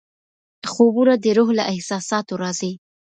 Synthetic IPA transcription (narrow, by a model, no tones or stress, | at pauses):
xobunad̪əɾoɦlaʔɪhsɑsɑt̪oɾɑzi